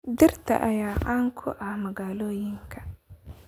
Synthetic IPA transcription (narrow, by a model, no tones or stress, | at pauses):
d̪ɪrt̪ʰɐ̰ʔɐjaːʕaːŋkʰʊʔɐhmɐɣaːlɔːjɪŋkʰɐ̥